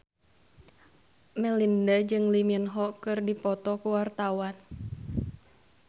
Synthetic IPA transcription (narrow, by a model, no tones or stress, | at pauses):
mɛlindad͡ʒɨŋliminɦɔkɨrdipɔt̪ɔkuwart̪awan